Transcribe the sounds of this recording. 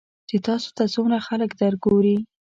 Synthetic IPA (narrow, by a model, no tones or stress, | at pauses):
t͡ʃet̪ɑso̥t̪at͡sonaxaləkd̪əɾɡoɾi